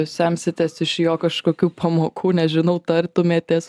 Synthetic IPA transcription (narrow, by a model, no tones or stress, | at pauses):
sʲɛmʲsʲɪt̪ʲesɪʃjoːkɐʃkoːkʲuːpʰɐmoːkʰuːnʲɛʒʲɪnɐʊt̪ɐrt̪ʊmʲeːt̪ʲeːs